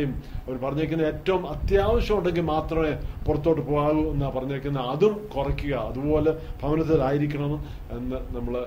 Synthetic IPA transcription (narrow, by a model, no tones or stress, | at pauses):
jumɐʋɐɾupɐrɐɲːɐikʲːunːɐe̞ːtːɐʋumɐt̪jaːʋɐɕjɐmuɳɖe̞ŋɡilmaːt̪rɐmepurɐt̪ːo̞ːʈːɨpoːɣaːɣuenːaːpɐrɐɲːɐːikʲːunːɐɐðumkurɐkʲːuɣɐɐðubo̞ːle̞bʱɐʋɐnɐt̪ːilaːjiɾikʲːɐɳɐm | enːɨnɐmːɐɭ